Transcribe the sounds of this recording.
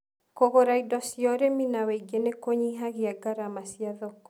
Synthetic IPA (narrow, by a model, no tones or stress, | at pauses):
kokoɾaidɔsjɔɾeminaweiɡenekoɲiɦakiaɡaɾamasijaðɔk